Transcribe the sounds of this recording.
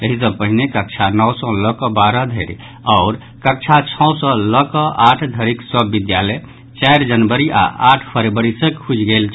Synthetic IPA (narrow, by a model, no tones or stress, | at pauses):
eɦis̬ə̃pəɦinekək̚t͡ʃʰanɔwsɔləkɔbaɾəd̪ʱəɾ | ɔʊɾ | kək̚t͡ʃʰat͡ʃʰɔwsɔ̃ləkɔʔaʈʰd̪ʱəɾiksəbːid̪jalɛ | t͡ʃajɾd͡ʒənbəɾia̰ʔaʈʰpʰəɾebəɾisəkhud͡ʒɡelt͡ʃʰ